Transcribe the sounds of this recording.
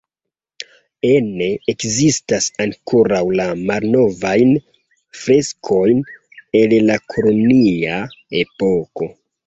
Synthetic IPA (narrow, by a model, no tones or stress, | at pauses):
ene̞ekzistasaŋkʰoɾawlamalno̞vajn | fɾe̞skʰo̞jn | enlakʰo̞lo̞niae̞po̞ko̞